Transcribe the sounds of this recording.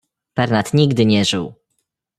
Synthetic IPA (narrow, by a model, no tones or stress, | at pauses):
b̥ɛɾnat̪ɲiɡd̪ɘɲɛʐɘw